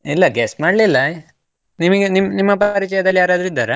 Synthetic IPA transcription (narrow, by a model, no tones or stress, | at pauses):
ilːɐɡeːsmaːɽlilːɐ | nimɐɡenimːnimːɐpːɐɐɾit͡ʃɛjɐd̪ɐljaːɾaːd̪ɾuid̪ːaːɾe